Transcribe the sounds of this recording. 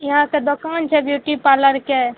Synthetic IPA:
jɐɦãked̪okaːnt͡ʃʰɛbjuːʈipaləɾke

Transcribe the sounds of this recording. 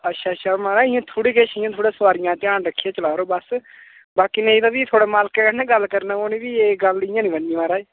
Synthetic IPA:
ətːʃʰaːtːʃʰaːmaːɾaːɪjãːt̪ʰoːɽiːkeːʃɪjãːt̪ʰoːɽeːsəʋaːɾɪjãːt̪ɪjãːnɾəkʰːijeːt͡ʃəlaːɾoːbəs | baːkiːnẽːd̪ãːbiːt̪ʰoːɽeːmaːlkeːkənẽːɡəlkəɾnaːoːniːʋiːeːɡəlɪjãːnĩːbənimaːɾaːeː

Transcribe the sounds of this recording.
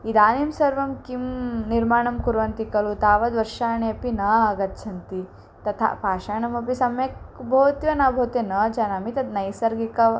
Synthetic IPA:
id̪aːnimsɐɾʋɐmkimniɾmaːɳɐmkuɾʋɐnt̪ikɐlut̪aːʋɐd̪ʋɐɾʃaːɳeɐpinɐːɐɡɐt̪t͡ʃʰɐnt̪i | t̪ɐt̪ʰa̰paːʃaːɳɐmɐpisɐmjɐkbʱoːt̪jɐnabʱoːt̪jɐnɐːd͡ʒɐnɐmit̪ɐd̪nɐjsɐɾɡikɐ

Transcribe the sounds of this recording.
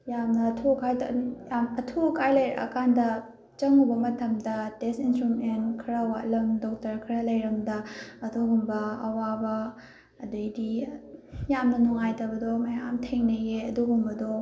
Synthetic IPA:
jamnɐːtʰukʰajtamɐtʰukʰajlɐjɾɐʔɐ̰kʰandɐ | t͡ʃɐŋubɐmɐtʰɐmdɐtesinstɾumentkʰiɾɐwa̰ʔlɐmdɔk̚tɐɾkʰiɾɐlɐjɾɐmdɐːtʰuɡumbɐːwabɐ | ɐdojdi | jamnɐnuŋajtɐbɐdɔmɐjamtʰeŋnɐjeɐduɡumbɐdɔ

